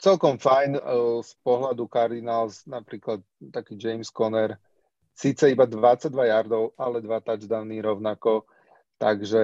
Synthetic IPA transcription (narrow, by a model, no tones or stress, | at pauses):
t͡sɛlkɔmfajnspɔɦlad̪ukaɾd̪inaːlsnapɾiːklat̪̚ːakiːd͡ʒɛjmskɔnɛɾ | sit͡sɛibad̪ʋat͡saɟ̚d̪ʋajaɾd̪ɔʊalɛd̪ʋat̪ad͡ʒd̪aniːɾɔʊnakɔ | t̪aɡʒɛ